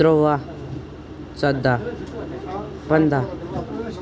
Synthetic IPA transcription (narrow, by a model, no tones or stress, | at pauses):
ɾowa | t͡sad̪a | pənd̪a